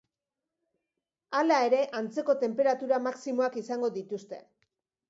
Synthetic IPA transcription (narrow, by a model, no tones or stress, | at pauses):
alae̞ɾe̞ʔant͡se̞ko̞t̪e̞mpe̞ɾat̪uɾamaksimo̞akisaŋɡo̞ðit̪ust̪e̞